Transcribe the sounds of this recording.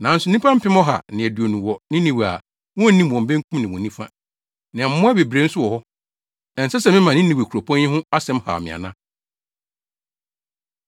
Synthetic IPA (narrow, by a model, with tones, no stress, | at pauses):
nã˨˦n̩˦sʊ˦n˦ĩ˦pʰã˦m̩˦pʰɪ̃˦mɔ̃˦ɦa̰˨nɪ̃˨æ˨du˨o˨nũ˨wɔ˨nɪ̃˦nĩ˨wa̰˨ | wɔ̃˦nĩ˦m˨wɔ̃˨m̩˨bẽ˦ŋ˦kʰũ˦mnɪ̃˨wɔ̃˨nĩ˦fã̰˦ | nɪ̃˨m̩˦mʊ̃˦ɛ˦be˨bɾe˨˦n̩˦sʊ˦wɔ˨hɔ˦ | ɛ˨n̩˨sɛ˦sɛ˨mɪ̃˦mã˨nɪ̃˦nĩ˨we˨kʰu˨ɾo˨pʰɔ̃˦n˦ĩ˦ɦʊ̃˦a˦sɛ̃˦mha̰˨mɪ̰̃˨a̰˨nã˦